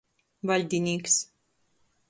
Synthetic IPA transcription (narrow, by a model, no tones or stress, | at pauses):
valʲd̪ʲinʲiːks